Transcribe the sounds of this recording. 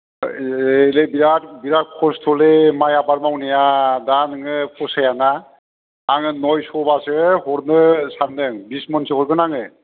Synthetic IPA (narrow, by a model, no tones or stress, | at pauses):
elebiɾatbiɾat̚kʰɔstʰɔlemajabaɾmawnijadanɯŋɯpʰɔsajanaː | ŋɯnɔjsɔbasɯhɔɾnɯsandɯŋbismɔnsɯkhɔɾkɯnaŋɯ